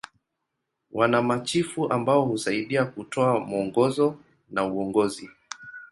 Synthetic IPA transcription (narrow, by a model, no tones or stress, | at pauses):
wʔanamat͡ʃifuʔambaɔhusaiɗiakutɔamɔŋɡɔzɔ | nauɔŋɡɔzi